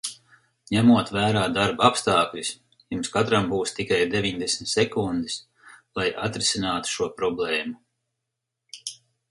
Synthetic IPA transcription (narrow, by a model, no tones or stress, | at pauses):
ɲæmuɔt̪væːɾaːd̪aɾbapst̪aːklʲis | jumskat̪ɾambuːst̪ikajd̪evʲiɲd̪esmʲit̪sɛkund̪is | lˠajat̪ɾɪsʲinaːt̪u̥ʃuɔpɾɔblɛːmu